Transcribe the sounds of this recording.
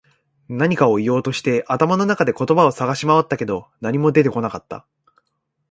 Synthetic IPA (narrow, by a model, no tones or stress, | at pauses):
naɲ̟ikao̞ijo̞ːt̪o̞ɕi̥t̪e̞ʔat̪amano̞nakad̪e̞ko̞t̪o̞bao̞saɡaɕimaβat̪ːake̞d̪o̞naɲ̟imo̞d̪e̞t̪e̞ko̞nakat̪ːa̰